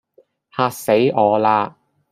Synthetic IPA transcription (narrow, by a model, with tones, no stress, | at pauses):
haː˧k̚se˨˥jɔː˨˧laː˧